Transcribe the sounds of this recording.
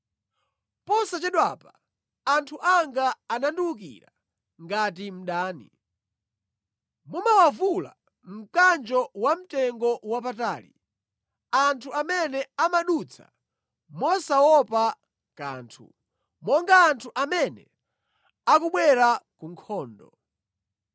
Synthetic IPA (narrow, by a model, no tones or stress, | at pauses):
pɔsat͡ʃɛɗwapa | antʰuʔaŋɡaːnanduluk̬ḭɾa̰ | ŋɡatim̩ɗaːnḭ | mumawavula̰ | m̩kand͡ʒɔwam̩tɛŋɡɔwap̬ataːlḭ | antʰuamɛnɛamaɗut͡sʰa̰ | mɔsawɔpa | ka̰ːntʰṵ | mɔŋɡaːntʰuʔamɛnɛ̰ | akuɓwɛɾakuŋkʰɔːndɔ̰